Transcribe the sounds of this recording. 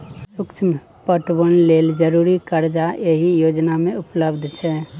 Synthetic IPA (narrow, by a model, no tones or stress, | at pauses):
sʊkt͡ʃʰm | pəʈbənleːld͡ʒəɾuɾikəɾd͡ʒaeɦijod͡ʒnamẽʊpləbd̪ʱt͡ʃʰɛː